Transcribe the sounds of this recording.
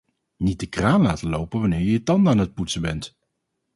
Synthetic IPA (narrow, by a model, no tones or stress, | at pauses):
nit̚dəkraːnlaːtəlowpənʋanɪːɹjəətɑndaːnɦət̚putsəbɛnt